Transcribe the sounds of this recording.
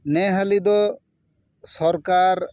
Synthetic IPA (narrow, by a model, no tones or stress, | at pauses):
nɛɦəlid̪ɔ | sɔɾkaɾ